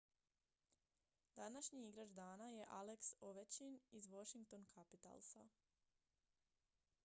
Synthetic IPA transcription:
d̪anaʃɲiiɡɾad͡ʒd̪aːnaje̞ʔaleksoʋet͡ɕinizʋoʃiŋk̚t̪onkʰapit̪a̰lˠsa̰

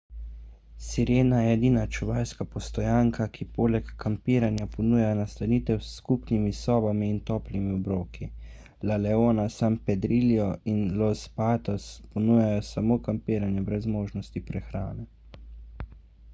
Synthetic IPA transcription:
siɾeːnajɛɛd̪iːnat͡ʃuʋaːjskapɔst̪ɔjaːŋkʰakʰipoːlɛkːampiːɾanjapɔnuːjajɔnast̪aniːt̪ɛwsːkupnimisɔːbamiːnt̪ɔːplimiɔbɾoːkʰi | lalɛoːnasampɛd̪ɾilijɔinlɔspaːt̪ɔspɔnuːjajɔsamoːkampiːɾanjabɾɛzmoːʒnɔst̪ipɾɛxɾaːnɛ

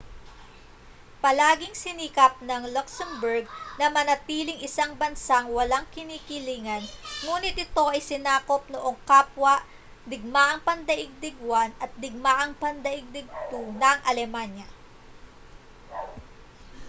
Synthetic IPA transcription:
pɐlaːɡɪŋsɪniːkɐp̚nɐŋlɔksɛmbɛɹɡ̚nɐmɐnɐt̪iːlɪŋʔɪsaŋbɐnsaŋwɐlaŋkɪniːkɪliːŋɐnŋuːnɪt̪̚ʔɪt̪o̞ʔɐjsɪnaːko̞p̚noʔo̞ŋkaːpwɐʔ | d̪ɪɡ̚maʔɐŋpɐnd̪ɐʔɪɡ̚d̪ɪɡwanɐt̪̚d̪ɪɡ̚maʔɐŋpɐnd̪ɐʔɪɡ̚d̪ɪɡ̚t̪unɐŋʔɐlɛmanjɐ

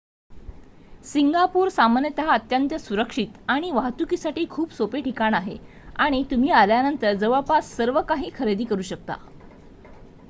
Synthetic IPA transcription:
siŋɡapuːɾsamanjət̪əɦaət̪jənt̪jəsuɾəkʂit̪aɽ̃iʋaɦt̪ukiːsaʈiːkʰuːpsopeʈikaɳaɦḛ | aɽ̃it̪um̤iːaljanənt̪əɾd͡zəʋəɭpassːəɾʋəkaɦiːkʰəɾed̪iːkəɾuːɕək̚t̪a̰

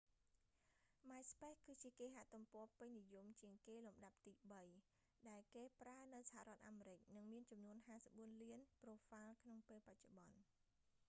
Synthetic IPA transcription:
maɛjspehkɨːt͡ɕiəkeːɦaʔt̪umpɔ̆əpɨɲnijumt͡ɕiəŋkeːlumɗap̚t̪iːɓəj | ɗaɛlkeːpraənɨwsḁha̰rɔ̆ət̪̚ʔaːmeːɾɨc̚nɨŋmiənt͡ɕɑmnuənɦaːsə̥p̚ɓuənliənproːfalkʰnoŋpeːlpac̚t͡ɕoɓɑn

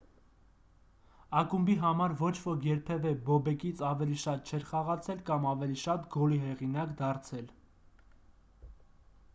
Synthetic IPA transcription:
ɑkumbiɦɑmɑɾvɔt͡ʃʰvɔkʰjɛɾpʰɛvɛbɔbɛkit͡sʰɑvɛliʃɑt̪̚t͡ʃʰɛɾχɑʁɑt͡sʰɛlkɑmɑvɛliʃɑt̪ɡɔliɦɛʁinɑkd̪ɑɾt͡sʰɛl

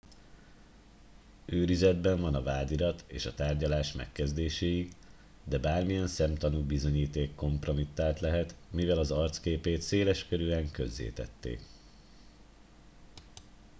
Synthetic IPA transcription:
øːɾizɛd̪bɛɱvɒnɒvaːd̪iɾɒt̪ḛːʃɒt̪aːrɟɒlaːʃmɛ̰kːɛzd̪eːʃeːji | d̪ɛbaːrmijɛnsɛmt̪ɒnuːbizo̞ɲiːt̪eːkːo̞mpro̞mit̪ːaːlt̪lɛɦɛt̪mivɛlɒzɒrt̪skeːpeːt̪seːlɛʃkøɾyːɛŋkø̞zːḛːt̪ɛ̰t̪ːḛːk

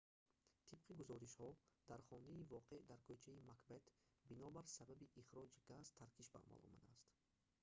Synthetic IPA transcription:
t̪ʰib̥̚qʰiɡuzɔɾiʃhɔd̪̥aɾχɔniːvɔqʰeʔd̪aɾkʰøt͡ʃʰaimakbet̪binɔbaɾsababiʔiχɾɔd͡ʒiɡazt̪ʰaɾkʰiʃba̰ːma̰lɔ̰ma̰d̪aːst̪

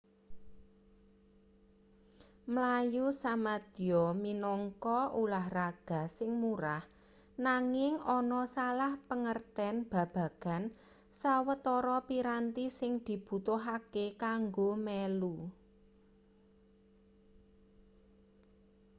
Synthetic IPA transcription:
mlajusamad̪̥iɔminɔŋkɔulahraɡ̥a̤sɪŋmuɾah | naŋɪŋɔnɔsalahpəŋərt̪ɛnb̥ä̤b̥a̤ɡ̥a̤n | sawət̪ɔɾɔpiɾant̪isɪŋd̪̥i̤b̥ṳt̪ʊɦakekaŋɡomɛlu

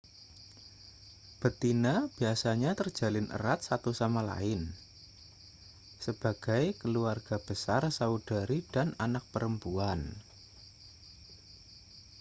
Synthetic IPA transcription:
b̥ət̪inab̥iasaɲat̪ər̥d͡ʒ̥a̤lɪnʔə̰rat̪̚sat̪usamala̰ɪn | səb̥aɡ̥ajkəluarɡ̥a̤b̥əsarsaud̥aɾid̥ananak̚pəɾəmpuan

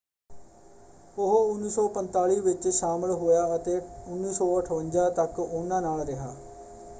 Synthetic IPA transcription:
ʊɦʊnːiːsɔːpənt̪aːɭiːʋɪt͡ʃʃaːməlɦoːjaːət̪eːʊnːiːsɔːəʈʰʋənd͡ʒãːt̪əkʊnãːnaːlɾɪɦa̰ː

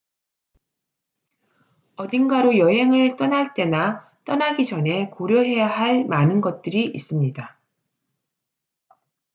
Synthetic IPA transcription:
ʌdinɡaɾojʌɦe̞ŋɯɭt͈ʌnaɭt͈e̞na | t͈ʌnaɡid͡ʑʌne̞koɾjoɦe̞jaɦaɭmanɯnɡʌt̚t͈ɯɾiʔis͈ɯmɲida

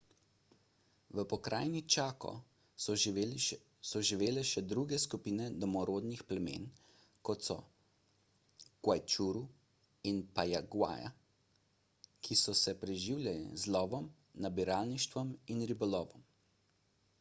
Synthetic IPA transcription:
ʋəpɔkɾʔaːjnit͡ʃaːkɔ̰ | sɔʒiʋeːlɛʃɛd̪ɾuɡɛskupiːnɛd̪ɔmɔɾoːd̪nixplɛmḛːn | kɔt̪sɔ̰ | ɡ̥wajt͡ʃuɾu | inpajaɡwa̰ːja̰ | kʰisɔsɛpɾɛʒiwlʲjalḭzlɔːʋɔm | nabiɾaːlniʃt̪ʋɔminɾibɔlɔːʋɔm

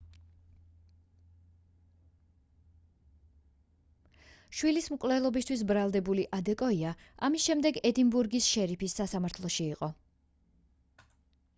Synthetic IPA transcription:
ʃwilismkʼvlɛlˠɔbist̪ʰwis̬bɾalˠd̪ɛbuliʔad̪ɛkʼɔiaamisʃɛmd̪ɛɡɛd̪imbuɾɡisʃɛɾipʰisːasamaɾt̪ʰlˠɔʃiːqʼɔ

